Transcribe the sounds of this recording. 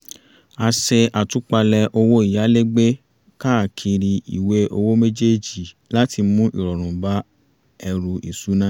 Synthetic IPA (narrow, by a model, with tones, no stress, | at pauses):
a˧se˧a˨tu˨˦k͡pa˧lɛ˧ʔo˧wo˦i˨ja˨˦le˦ɡ͡be˦ | ka˦˨kʰi˧ɾi˧i˨we˨˦ʔo˧wo˦me˦d͡ʒe˦d͡ʒi˨ | la˦ti˧mũ˦ʔḭ˦˨ɾɔ˨ɾ̃ũ˨ba˦ | ɛ˧ɾu˧ʔi˨su˨˦nã˦